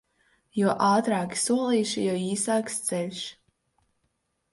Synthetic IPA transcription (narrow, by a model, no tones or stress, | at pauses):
juɔʔaːt̪ɾaːkʲi̥suɔlˠiːʃijɔiːsaːkst̪sɛlʲʃ